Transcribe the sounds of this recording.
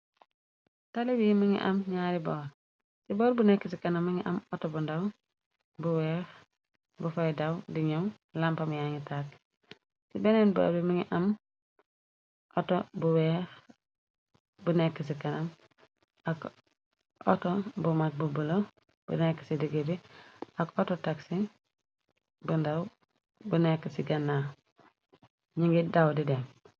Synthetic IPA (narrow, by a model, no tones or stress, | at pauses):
taliwimiŋḭʔɐ̰mɲaːɾibɔːɾ | sibɔːɾbunekːisikɐnamːiŋiʔɐ̰motobundaw | buwɛːx | bufajdawdiɲom | lampamujaŋitak | sibenenbo̰lo̰bimiŋiʔɐm | ʔotobuwɛ | bunekːəs̬ikɐnɐm | ak | o̰tobumak̚bubulo | b̥ṵnekːə̥sidiɡebiakototaksi | bundaw | bunekːəsiɡɐnːa | ɲiŋɡidawdidɛm